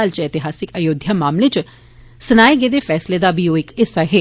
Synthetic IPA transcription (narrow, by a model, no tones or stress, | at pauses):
aːlt͡ʃeːt̪ɪɦaːsɪkəjoːd̪ʱjaːmaːmleːt͡ʃ | sənaːeɡeːd̪eːfʰɛːsleːd̪aːbiːoːɪkɪsːaːɦeː